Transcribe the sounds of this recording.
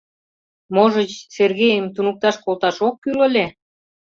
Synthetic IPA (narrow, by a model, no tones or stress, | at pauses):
moʒət͡ɕserɣejəmt̪unuk̚t̪ɑʃkolt̪ɑʃokːylə̆lʲe